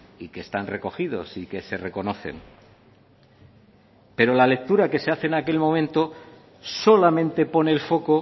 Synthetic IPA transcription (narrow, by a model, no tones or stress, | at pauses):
ike̞ːst̪anre̞ko̞xiðo̞̰sike̞se̞re̞ko̞no̞θe̞̰ŋ | pe̞ɾo̞lale̞k̚t̪uɾake̞se̞aθe̞ːnake̞lmomẽ̞nt̪o̞ | so̞lamẽ̞nt̪e̞po̞ne̞ːlfo̞ko̞